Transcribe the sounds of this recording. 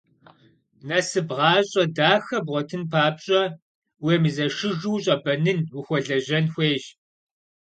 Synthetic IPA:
nɐsɨbʁɑːɕʼɐdaːxɐbʁʷɔtʰɨnpʰaːpɕʼɐ | weːmizɐʂɨʒuːɕʼɐbɐnɨnwuxʷɔɮɐʑɐnxʷeːɕ

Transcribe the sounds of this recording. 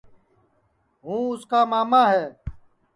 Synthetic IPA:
ɦũːʊskaːmaːmaːɦɛː

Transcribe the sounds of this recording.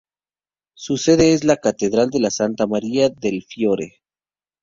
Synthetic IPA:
suse̞ðe̞ezlakat̪eðɾald̪e̞lasant̪amaɾiaðe̞lfjo̞ɾḛ

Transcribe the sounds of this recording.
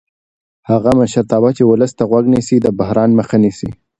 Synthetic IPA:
haɣamaʃaɾt̪ɑbat͡ʃewʊləst̪aɣwaɡnisid̪əbaɦɾɑnməxanisḭ

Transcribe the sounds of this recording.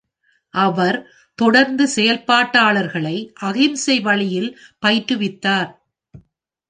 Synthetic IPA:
ʔɐʋɐɾ | t̪ɔɽɐɾnd̪ɯsɛjɐlpaːʈːaːɭɐɾɣɐɭɐɪʔɐɣɪmsɛɪʋɐɭɪjɪlpɐɪʈːɯʋɪt̪ːaːɾ

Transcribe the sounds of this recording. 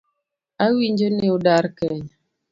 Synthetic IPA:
awiɲd͡ʒoneudaɾkɛɲ

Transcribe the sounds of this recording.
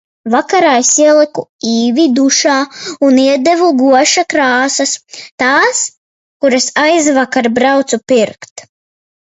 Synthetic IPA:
vakaɾajsiɛlˠikuiːvʲid̪uʃaːuniɛd̪evuɡuɔʃakɾaːsɐst̪aːs | kuɾasajzvakaɾbɾawt̪supiɾkt̪

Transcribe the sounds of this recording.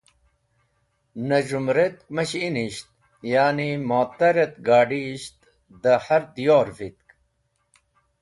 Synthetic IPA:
nɐʑumɾet̪mɐɕiniɕt̪̚ | jaːnimaːt̪ɐɾet̪ɡaːɖiɕt̪ | d̪ɐhɐɾd̪ijoːɾvit̪̚k

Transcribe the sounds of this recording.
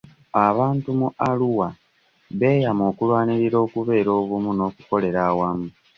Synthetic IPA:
aβaːntumualuwa | βe̞ːjamo̞ːkulwaːniɾiɾo̞ːkuβe̞ːɾo̞ːβumuno̞ːkuko̞le̞ɾaːwamu

